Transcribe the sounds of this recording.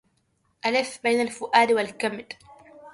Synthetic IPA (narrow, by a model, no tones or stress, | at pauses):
ʔalɪfbajnalfʊʔaːd̪walkamd̪